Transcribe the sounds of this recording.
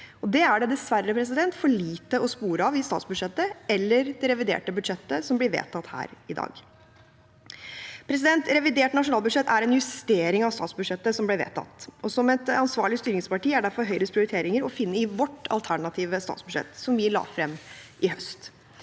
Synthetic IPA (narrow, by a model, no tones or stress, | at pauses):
ɔd̪ɛæɖɛd̪ɛsʋæɾːəpʰɾɛs̬ɪd̪ɛnt̪fɔɭiːt̪əɔspuːɾəɑʋɪst̪ɑ̰ːt̪sbʉʂɛt̪ːəɛlːəɾd̪ɛɾɛʋɪd̪ḛːʈəbʉd̪ʂɛt̪ːəsɔmblɪɾʋḛːt̪ʰɑt̪hæ̰ːɾɪd̪ɑ̰ːɡ | pʰɾɛs̬ɪd̪ɛnt̪ɾɛʋɪd̪eːʈnɑʂʊnɑːlˠbʉd̪ʂɛt̪ʰːæɾɛnjʉst̪eːɾɪŋɑʋst̪ɑ̰ːt̪sbʉd̪ʂɛt̪ːəsɔmblɛʋḛːt̪ʰɑ̰t̪ːɔsɔmɛt̪ɑnsʋɑ̰ːɭɪst̪yːɾɪŋspɑʈiːæɖæɾfɔɾɦœʏɾəspʰɾɪʊɾɪt̪ʰeːɾɪŋəɾɔfɪnːəɪʋɔʈːɑ̰lt̪ʰæɳɑt̪ʰiːʋəst̪ɑ̰ːt̪sbʉd̪ʂɛ̰t̪sɔmʋɪlɑ̰ːfɾɛmːʔɪhœst̪